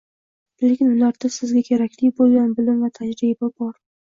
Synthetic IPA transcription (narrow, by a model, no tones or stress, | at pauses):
le̞kʲɪnʊlaɾd̪̥asɪzɡʲakʲʰe̞ɾakʲʰlɪkʲbolˠɡʲanbɪlɪmvat̪ʰad͡ʒɾibabɒɾ